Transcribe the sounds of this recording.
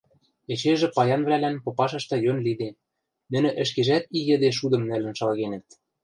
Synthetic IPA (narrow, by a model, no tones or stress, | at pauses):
et͡ɕeʒɘ̆pɑjɑnβlælænpopɑʃɤ̆ʃt̪ɤ̆jønlid̪en | nɘ̆nɘ̆ʔɘ̆ʃkeʒæt̪ijɘ̆d̪eʃ̬ud̪ɤ̆mnælɘ̆nʃɑlɣenɘ̆t̪̚